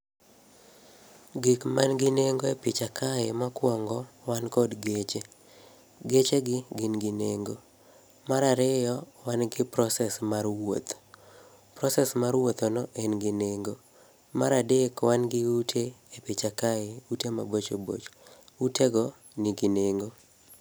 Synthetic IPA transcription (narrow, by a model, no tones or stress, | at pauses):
ɡɪkmanɡɪneŋɡoepɪt͡ʃakʰaemakwɔŋɡɔwankɔdɡet͡ʃe | ɡet͡ʃeɡɪɡɪnɡɪneŋɡo | maɾaɾɪjɔwanɡɪpɾɔsɛsmarwo̰t̪ | pɾɔsɛsmaɾwot̪ɔnɔʔɛnɡɪneŋɡo | maɾadekwanɡɪutʰeepɪt͡ʃakaeutema̰bot͡ʃobo̰t͡ʃuteɡɔ | nɪɡineŋɡo